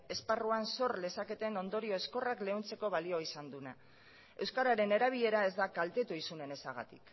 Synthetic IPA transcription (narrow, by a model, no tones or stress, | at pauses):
e̞sparuanso̞ɾle̞sake̞t̪e̞no̞nd̪o̞ɾio̞esko̞rakle̞unt͡se̞ko̞βalio̞isand̪una | e̞wskaɾaɾe̞ne̞ɾaβ̞iʎe̞ɾae̞zd̪akalt̪e̞t̪uisune̞ne̞saɣ̞a̰t̪ik